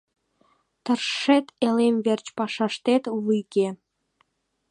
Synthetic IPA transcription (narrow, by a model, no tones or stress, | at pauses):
t̪ərʃet̪elemvert͡ɕpɑʃɑʃt̪et̪βɨjke